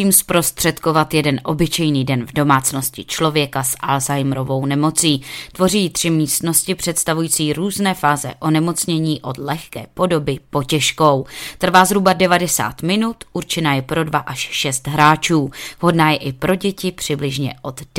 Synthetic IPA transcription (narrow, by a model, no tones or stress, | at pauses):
iːmspɾo̞st̪r̝̥ɛt̪ko̞vat̪jɛdɛnʔo̞bɪt͡ʃɛjniːdɛnvdo̞maːt͡sno̞scɪt͡ʃlo̞vjɛkasʔa̰lzajmɾo̞vo̞wnɛmo̞t͡siːt̪vo̞riːt̪r̝̥ɪmiːst̪no̞scɪpr̝̥ɛt̪st̪avujiːt͡siːɾuːznɛːfaːzɛ̰ʔo̞nɛmo̞t͡sɲɛɲiːʔo̞d̪lɛxkɛ̰ːpo̞do̞bɪpo̞cɛʃko̞wt̪r̩vaːzɾubadɛvadɛsa̰ːt̪mɪnut̪ʔuɾt͡ʃɪnaːjɛpɾo̞dvaʔaʃʃɛst̪ɦɾaːt͡ʃuːɦo̞dnaːjɛʔɪpɾo̞ɟɛcɪpr̝̥ɪblɪʒɲɛ̰ʔo̞d̪